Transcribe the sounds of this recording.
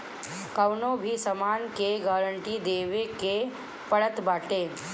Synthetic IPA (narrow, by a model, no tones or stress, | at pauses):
kəwnobʱiːsəmankeɡaɾəɳʈiːd̪eʋeke | pəɭət̪baʈe